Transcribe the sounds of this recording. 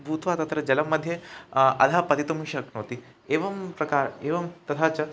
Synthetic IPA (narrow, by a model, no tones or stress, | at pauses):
bʱuːt̪ʋaːt̪ɐt̪ɐɾɐd͡ʑɐlɐmːɐd̪ʱːjeɐ̰d̪ʱaːpɐt̪it̪omuʃɐknoːt̪i | eːʋɐmpɾɐkaːɾeːʋɐmt̪ɐt̪ʰaːt͡ʃɐ